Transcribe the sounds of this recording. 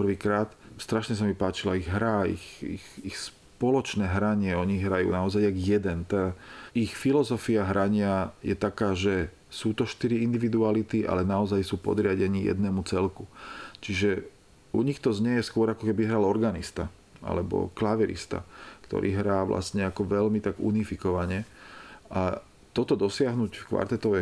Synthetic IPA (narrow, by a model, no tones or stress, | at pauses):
pr̩ʋiːkɾaːt̪st̪ɾaʃɲɛs̬amipaːt͡ʃilaiɣɦɾaːḭxḭxixs | pɔlɔt͡ʃnɛːɦɾaɲɪɛɔɲiɣɦɾajṵːnaɔzajaɡjɛd̪ɛnt̪aːixfilɔzɔfiaɦɾaɲɪajɛt̪akaːʒɛ | suːt̪ɔʃt̪iɾiind̪iʋid̪ualit̪iʔa̰lɛnaɔzajsuːpɔ̰d̪ɾɪaɟɛɲijɛ̰d̪nɛːmut͡sɛlkut͡ʃiʒɛ | uɲixt̪ɔzɲɛjɛskʊɔɾakɔkɛbiɦɾalɔɾɡanist̪a | ʔa̰lɛbɔ̰klaʋɛɾḭst̪a̰kt̪ɔ̰ɾʔḭːɦɾaːʋlʔa̰stɲɛakɔʋɛʎmit̪aɡṵnifikɔʋaɲɛʔa | t̪ɔt̪ɔd̪ɔsɪaɦnucfkʋa̰ɾt̪ɛt̪ɔʋɛ